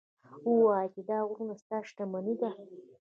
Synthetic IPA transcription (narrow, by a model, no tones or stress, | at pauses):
uwɑt̪id̪ɑɣɾunast̪ɑːʂʈ̪amanid̪a